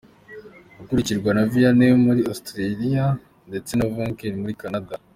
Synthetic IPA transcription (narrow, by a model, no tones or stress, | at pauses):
ukuɾiciɾɡwanavijanejomuɾiostɾeɾija | nde̞t͡se̞navoŋkeɾimuɾikanada